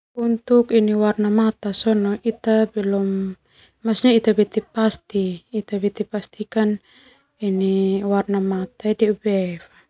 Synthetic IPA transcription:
unt̪ukiniwarnamat̪asɔnɔʔit̪abɛlɔm | masɲait̪abɛt̪ɛpast̪iːt̪abɛt̪ipast̪ikan | iniwarnamat̪aidɛubɛfḁ

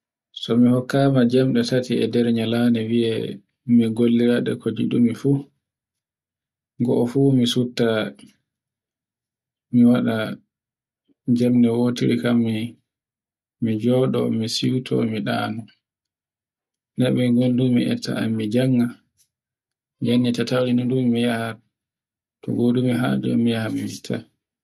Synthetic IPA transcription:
sɔmihɔkːaːmad͡ʒɛmɗɛtatiɛ̰dɛɾɲalanɛwiɛ | miɡolːiɾaɗɛ̰kod͡ʒiɗumifu | ŋɡɔʔɔfumisutːa | miwaɗa | d͡ʒɛmɗɛwotiɾikamːi | mid͡ʒɔɗɔmisitʰɔ̰miɗa̰nu | nɛɓɛɡondummḭʔɛ̰tʰːa̰amːid͡ʒaŋːa | janːitatawlinɔdumːijaha | tɔ̰ɡodumiɦa̰ːd͡ʒɛɛ̰mijahamɛmitʰa

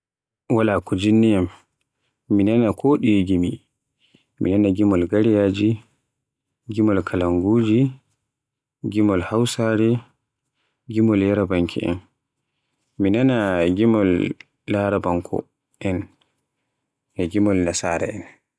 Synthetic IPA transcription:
walakud͡ʒinːɛjamː | inanakʰɔɗiɡimi | mḭnanaɡimɔlɡaɾijaːd͡ʒi | ɡimɔlkʰalaŋɡuːd͡ʒi | ɡimɔlhawsaːɾɛ | ɡimɔljaɾabaŋkʰḭʔɛ̰n | minanaɡimɔlː | aɾabaŋkʰɔ̰ | ʔɛn | ɛɡimɔlnasaːɾɛ̰ɛn

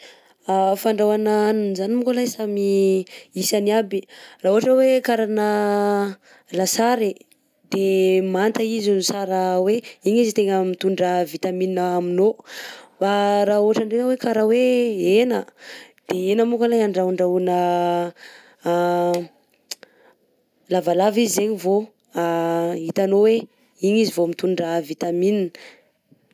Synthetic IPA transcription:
afaɳɖ͡ʐawananunzanimukolajsamiisaniabiraːoaʈ͡ʂəwekaɾanə | lasaɾi | d̪̥emant̪aizunusaɾəweiɲizit̪eŋəmit̪uɳɖ͡ʐəvit̪amininəːminobaɾaoʈ͡ʂaɳɖ͡ʐeŋəwekaɾaweenə | d̪̥eenəmukəlajaɳɖ͡ʐauɳɖ͡ʐaunə | lavalavizizeɲivo | it̪anowe | iɲizivomit̪uɳɖ͡ʐəvit̪aminin

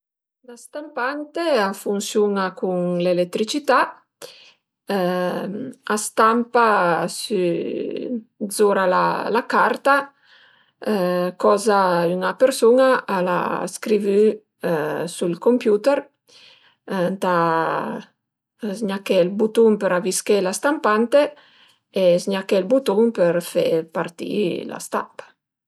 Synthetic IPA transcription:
last̪ampant̪eafunsjunakuŋlelet̪ːɾit͡ʃit̪a | ast̪ampasy | dzoɾala̰lakaɾt̪a | kɔzaynapeɾsonaʔala̰skɾivy | sulkompjut̪eɾ | nt̪a | zɲakɛlbut̪uŋpeɾaviskelast̪ampant̪e | ezɲakelbut̪uŋpeɾfḛpaɾt̪ḭla̰st̪a̰mpḁ

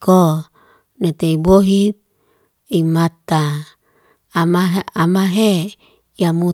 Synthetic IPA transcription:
ko | net̪eiboɦit̪̚ | imat̪a | maɦamaɦe | jamu

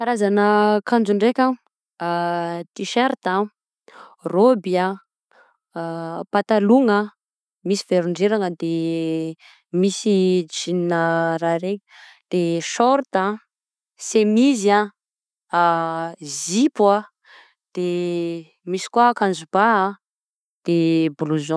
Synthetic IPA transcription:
kaɾazanəkand͡ʒuɳɖ͡ʐekʲa | t̪iʃeɾt̪a | robia | pat̪aluŋə | misi̥v̥eɾuɳɖ͡ʐeɾaŋəd̪e | misid͡ʒininəɾaɾek | d̪̥eʃɔɾt̪a | semiza | zipwa | d̪̥e | misi̥kuakanzubaa | d̪̥ebuluzõ

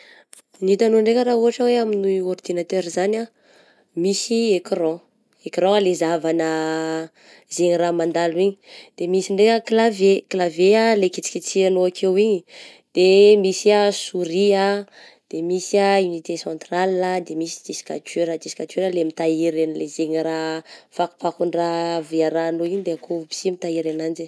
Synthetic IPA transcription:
nit̪anoɳɖ͡ʐekʲəɾaɦuɦaʈ͡ʂəweaminuord̪inat̪øɾizana | misiekrɔ̃ | ekrɔ̃alezavanə | zeɲiramand̪alwiɲi̥d̪̥emisiɳɖ͡ʐekəklaveklavealekit͡si̥kʲit͡sianoakʰewiɲi | d̪̥emisiasuɾia | d̪̥emisiaunit̪esɔ̃nt̪ralnad̪emisi̥d͡ʒisi̥ka̰teɾad͡ʒ̪isi̥kat̪eɾəlemit̪aiɾenlezeɲiɾafaku̥pakuɳɖ͡ʐaviaɾanoiɲid̪eakʰobi̥simit̪aiɾenand͡ʒi

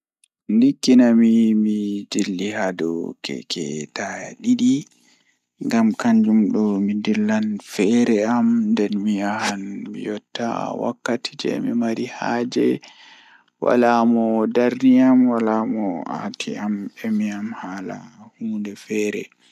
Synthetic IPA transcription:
nlikːinamimid͡ʒilːihadɔ̰kʰɛ̰kʰɛ̰tajaɗiɗi | ŋɡamkaɲd͡ʒumɗɔmindilːanfɛɾɛamndɛnmijahanmḭjɔtːa̰wa̰kːatʰi̥d͡ʒɛ̰mimaɾihaːd͡ʒɛ | wʔa̰lamɔdaɾniamwalamɔa̰tʰiamɛmiamhaːla̰huːndɛfɛːɾɛ̰

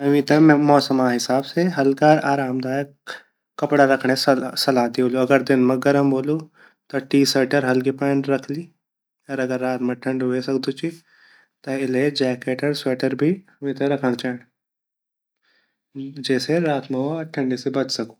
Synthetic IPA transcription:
ɦɐʋĩt̪ɐmɔːsəmaɦɪsaːbseɦɐlkaːɾaːɾaːmd̪aːjəkː | ɐpɽaɾɐkʰɽ̃essɐlaːd̪eoːluɐɡəɾd̪ɪnmẽɡɐɾəmboːlu | t̪ɐʈiːsəːʈəɾɦɐlkipɛːnɾɐkʰliː | ɔɾɐɡəɾːaːt̪mẽʈʰɐ̃ɳɖɦoesɐkd̪ut͡ʃi | t̪ɐɪled͡ʒɛːkeːʈəɾseːʈəɾbʱiɐmĩt̪ɐɾɐkʰəɽ̃t͡ʃaːɽ | d͡ʒɛːseɾaːt̪mẽʈʰɐ̃ɳɖisebɐt͡ʃsɐku̥

